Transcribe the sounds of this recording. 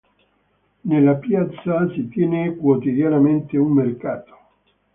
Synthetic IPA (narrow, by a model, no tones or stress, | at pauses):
nelːapjat̪sːasit̪jɛːnekwot̪id̪janament̪eummerkaːt̪o̥